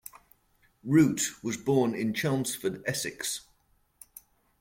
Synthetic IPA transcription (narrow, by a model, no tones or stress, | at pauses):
ɹʉˑʔwɒzbɔːnɪ̃nt͡ʃʰɑːmsfədɛsɪks